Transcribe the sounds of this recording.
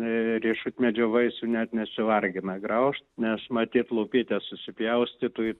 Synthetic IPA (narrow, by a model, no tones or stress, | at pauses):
rʲiɛʃut̪ʲmʲɛd͡ʒʲoːʋɐɪsuːnʲɛt̪nʲɛsʲɪʋɐrʲɡʲɪnɐɡɾɐʊʃt̪nʲɛsmɐt̪ʲiːt̪lˠɐʊpʲiːt̪ʲesʊsʲɪpʲjɛʊsʲt̪ʲit̪uːj